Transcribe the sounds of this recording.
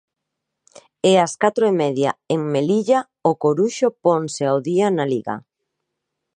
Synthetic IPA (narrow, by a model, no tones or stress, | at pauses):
easkat̪ɾoemɛðja̰eŋmeliʎa | okoɾuʃoponseawðianaliɣa̰